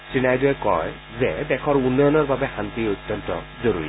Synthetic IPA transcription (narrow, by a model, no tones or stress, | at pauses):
sɹinajduɛkɔ̰j | zɛdɛkʰɔɹunːɔjɔnɔɹbabɛxant̪iot̪ːɔnt̪ɔ̰ | zoɹuɹḭ